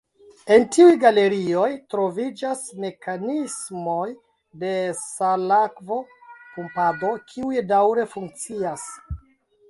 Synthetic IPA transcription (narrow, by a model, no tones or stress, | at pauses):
e̞ntiujɡale̞ɾio̞jtɾo̞vid͡ʒasme̞kanismo̞j | de̞salakvo̞kumpado̞kʰiujdawɾe̞fuŋk̚t͡sias